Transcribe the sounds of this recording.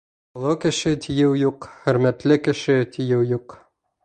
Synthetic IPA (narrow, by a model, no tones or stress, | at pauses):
olˠɤwkɘ̆ʃɘt̪ʰijɘwjuqχɵ̆ɾmæt̪lɘkɘ̆ʃɘt̪ʰijɘwjuq